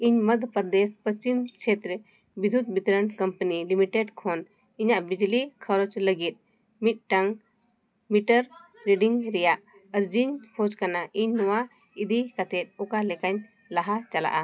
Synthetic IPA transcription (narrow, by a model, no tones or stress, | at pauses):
iɲməd̪ʱəpəɾd̪ɛspəst͡ʃimkt͡ʃʰet̪ɾɛ | bid̪ʱud̪̚bit̪ɾəɳkəmpənilimiʈeɖkʰɔn | iɲaʔbid͡ʒlikʰəɾɔt͡ʃləɡit̪̚ˀ | mit̪̚ˀʈaŋ | miʈəɾ | ɾiɖiŋɾɛjaʔ | əɾd͡ʒiɲbʰod͡ʒkanaʔiɲːɔwa | id̪ikat̪ɛt̪̚ɔkalɛkaɲ | laɦat͡ʃala̰ʔa